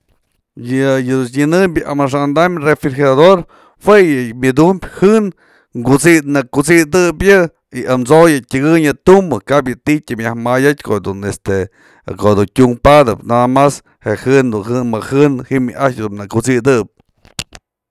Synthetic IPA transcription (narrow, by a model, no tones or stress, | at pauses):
jɨjɨd̪uɲɨnɨmbʲjɨʔamaʂ̬aʔnd̪amrefiɾxiad̪oɾ | hwejɨmʲɨd̪umbʲhɨn | ŋɡut͡sid̪nɨkut͡sid̪ɨpjɨ | iʔamt͡sojɨtʲɨɡɨɲɨt̪umbɨkabjɨt̪itʲɨmʲjahmajatʲkod̪unest̪e | kod̪untʲuŋpad̪ɨpnaamas | heʔhɨnd̪unhɨnmɨhɨnhimjɨʔat͡ʃd̪unnɨkut͡sid̪ɨp̚